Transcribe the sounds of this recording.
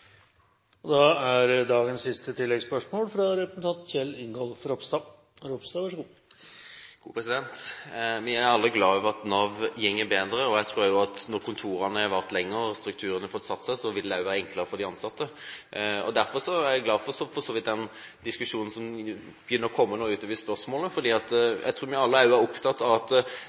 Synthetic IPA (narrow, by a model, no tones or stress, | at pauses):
ɔd̪ɑæɾd̪ɑːɡənssɪst̪ət̪ɪlːɛɡspœʂmoːlfɾɑɾɛpɾəsnt̪ɑnt̪çɛlɪŋɡɔlfɾɔpst̪ɑː | ɾɔpst̪ɑːʋɑʂəɡuː | ɡ̥ṵːpʰɾɛsɪd̪ɛnt̪mææɾɑlːəɡlɑːɑʋɑt̪nɑːʋjɛŋːəbeːd̪ɾəɔæɪt̪ʰɾuːɾjʊɑt̪nɔɾkʰʊnt̪ʰuːɾɑnəæɾʋæʁt̪lɛŋːəɾst̪ɾʉk̚t̪ʰʉːɾənəfɔt̪ːsɑt̪ːsæɪsɔʋɪld̪æʊʋæːɾəɛŋkləɾəfɔɾd̪ɪɑnsɑt̪ːə | ɔ̰d̪æɾfɔɾʂɔæɾjæɪɡlɑːdfɔɾʂɔfɔsoːʋɪt̪̚d̪ɛnd̪ɪskʉʂuːnn̩sɔm | b̥jʏnːəɾɔkʰɔmːənoːʉːt̪ɑːʋɪspœɾsmoːləfɔɾd̪iːɑt̪jæ̰t̪ʰɾuːɾʋɪɑlːəæɾjʊæɾʊpt̪ʰɑt̪ːɑʋɑt̪